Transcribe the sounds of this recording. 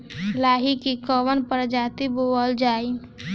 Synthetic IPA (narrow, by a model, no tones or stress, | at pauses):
laːɦikikɔʋənpəɾd͡ʒaːt̪iboəld͡ʒaːi